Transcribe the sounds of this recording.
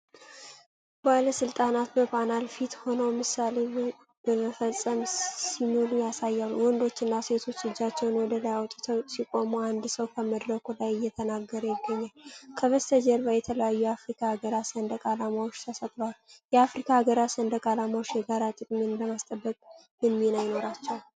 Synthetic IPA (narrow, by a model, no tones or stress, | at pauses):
baləsɨlt̪ʼanat̪məpʰʼanalfit̪ho̞nəwmɨsale | b̥əməfəsʼːəmsimolujasajːaluwɔnd̪o̞t͡ʃːɪnːase̞t̪ʰo̞t͡ʃːɨd͡ʒːat͡ʃːɛwnwɔd̪əlajawɔt̪ʼut̪ʰəsikʼomuand̪səwkʰəməd̪ɾəkʰulajɨjːɛt̪ʰənaɡːəɾəjɪɡːəɲːalkʰəβəst̪ʰəd͡ʒəɾbəjɛt̪ʰələjajːujafɾikʰaaɡəɾasənd̪əkʼalamawot͡ʃːt̪ʰəsət̪ʼləwaljɛafɾikʰaːɡəɾasənd̪əkʼalamawot͡ʃːjɛɡaɾat̪ʼɨkʼminbəmast̪ʼəbːəkʼ | mɨnminajɪno̞ɾat͡ʃːɛw